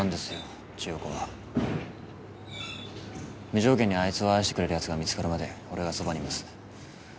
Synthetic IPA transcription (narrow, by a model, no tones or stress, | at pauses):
nd̪e̞sɨjo̞ | t͡ɕijokoβa̰ | mʲiʑo̞ːkẽ̞ɲ̟ːiait͡sɨo̞aiɕit̪ekɾe̞ɾɯ̟çat͡sɨɡamʲit͡sɨ̥kaɾɯ̟mad̪e̞o̞ɾe̞ɡasobaɲʲimasɨ̥